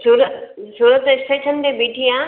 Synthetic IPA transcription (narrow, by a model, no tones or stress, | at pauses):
suːɾəsuːɾət̪ɪsʈeːʃʰənt̪ẽbiːʈʰiãː